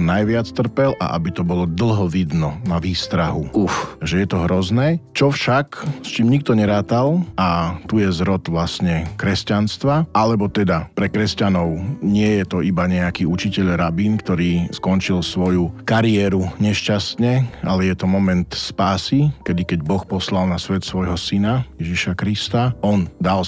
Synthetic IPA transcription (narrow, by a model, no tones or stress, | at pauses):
najʋɪat͡st̪r̩pɛlʔa̰ʔa̰bit̪ɔbɔlɔd̪l̩ˠɦɔʋid̪nɔnaʋiːst̪ɾaɦuufʒɛjɛt̪ɔɦɾɔznɛt͡ʃɔfʃakst͡ʃiːmɲik̚t̪ɔɲɛɾaːt̪alat̪ujɛzɾɔt̪ʋlasɲɛkɾɛscanst̪ʋaʔalɛbɔt̪ɛd̪apɾɛkɾɛscanɔʊɲɪɛjɛt̪ɔibaɲɛakiːut͡ʃicɛʎɾabiːnkt̪ɔɾiːskɔnt͡ʃilsʋɔjukaɾiɛːɾuɲɛʃcast̪ɲɛa̰lɛjɛt̪ɔmɔmɛnt̪spaːsikɛd̪ikɛɟbɔxpɔslalnasʋɛt̪sʋɔjɦɔsinajɛʒiʃakɾist̪aɔnd̪al